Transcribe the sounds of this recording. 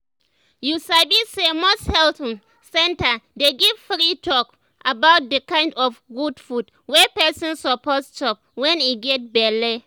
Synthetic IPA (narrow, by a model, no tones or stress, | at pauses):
jusabisemosthɛltɔ̃n | sɛ̃ntadeɡiv̥fɹitʰɔk | abawt̚dəkãɪ̃ndɔfɡudfud | wɛpɛsɔ̃nsɔpɔtst͡ʃɔp̚wɛ̃niɡɛt̚bɛle